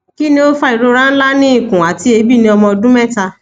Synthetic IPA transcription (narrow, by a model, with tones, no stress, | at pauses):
ki˦nĩ˧˦o˦fa˦i˨ɾo˧ɾã˦n̩˦la˦nĩ˦ĩ˦˨kũ˨a˨ti˨˦e˧˦bi˦˨nĩ˧˦ɔ˧mɔ̃˧dũ˦mɛ˦ta˧